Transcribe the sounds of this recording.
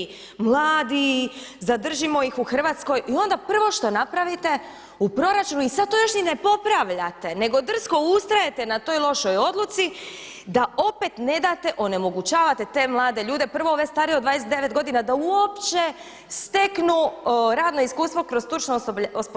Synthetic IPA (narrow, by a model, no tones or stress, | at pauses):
mlˠaːd̪izad̪r̩ʒimo̞jixuxr̩ʋaːt̪sko̞jio̞nd̪apr̩ʋo̞ʃt̪o̞napɾaʋit̪e̞ | upɾo̞ɾat͡ʃunuisad̪̚t̪ojo̞ʃninepo̞pɾaʋʎat̪e̞ne̞ɡo̞d̪r̩sko̞ust̪ɾaje̞t̪e̞nat̪o̞jlˠo̞ʃojo̞d̪lut̪si | d̪aʔo̞pe̞t̪ne̞d̪at̪e̞ʔo̞ne̞mo̞ɡut͡ɕaːʋat̪e̞t̪e̞ːmlˠaːd̪eʎuːd̪e̞pr̩ʋooʋest̪aːɾieod̪ʋaːd̪esee̞ʋet̪̚ɡo̞d̪inad̪auopt͡ʃe̞ | st̪e̞knuɾaːd̪no̞iskuːst̪ʋo̞kɾo̞zt̪ut͡ʃnoosp